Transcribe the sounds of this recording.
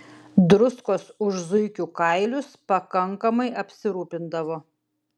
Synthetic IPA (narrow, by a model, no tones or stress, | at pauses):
d̪ɾʊskoːsʊʒzʊɪkʲuːkɐɪlʲʊspɐkɐŋkɐmɐɪɐpʲsʲɪɾuːpʲɪnd̪ɐʋoː